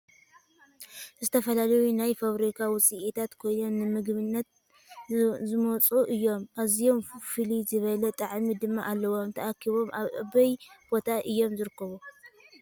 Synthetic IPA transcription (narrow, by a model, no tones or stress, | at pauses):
zɨt̪ʰɐfɐlalɐjunajfaβɾikʰawʊt͡sʼiʔit̪ʰat̪kʰo̞jno̞mːɨmɨɡβɨnːɐt̪̚ | zɨmot͡sʼuʔɨjːo̞mʔazijo̞mfɨlizɨβɐlɐt̪ʼaʕmid̪ɨmːaʔalːɐwo̞mt̪ʰɐʔakʰːiβo̞mʔa̰βʔɨ̰βɐjb̥o̞t̪ʰaʔɨjːo̞mzɨɾɨkːɐβu